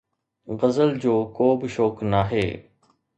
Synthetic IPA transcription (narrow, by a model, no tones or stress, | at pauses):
ɣəzəld͡ʑoːkoːbɪʃoːknaɦḛː